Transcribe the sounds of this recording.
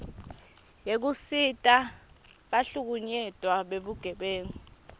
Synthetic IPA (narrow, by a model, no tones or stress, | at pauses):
jek̬usitʼa | ɓaɬuk̬uɲɛtʼwaɓeɓuɡ̥ʱɛɓeːŋi